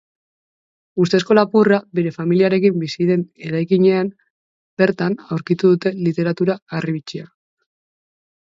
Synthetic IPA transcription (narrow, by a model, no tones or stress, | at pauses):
ust̪e̞sko̞lapurabe̞ɾe̞familiaɾe̞kimbisiðe̞ne̞ɾajkiɲe̞am | be̞ɾt̪anawɾkit̪uðut̪e̞lit̪e̞ɾat̪uɾaariβit͡ʃia